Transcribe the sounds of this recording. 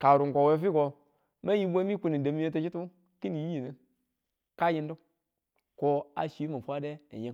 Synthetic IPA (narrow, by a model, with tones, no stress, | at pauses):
ka˨ɾu˨ŋkʷo˨we˦fi˦ko˧ | me˦ji˦bʷe˦mi˦ku˦ni˨da˨mi˦e˦to˧t͡ʃi˦tu˦ | ki˦ni˨˦ji˨ne˨n | ka˦ji˧n˦du˦ | ko˧a̰˨ʃi˦ma˨fʷa˦de˦a̰˨je˦